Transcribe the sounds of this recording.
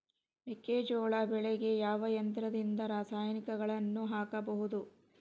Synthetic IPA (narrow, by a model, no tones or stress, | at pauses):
mikːeːd͡ʒoːɭabɛɭeɡe̞jaːʋɐjɐnt̪ɾɐd̪ind̪ɐɾaːsaːjɐnikɐɡɐɭɐnːuɦaːkɐbɐɦud̪u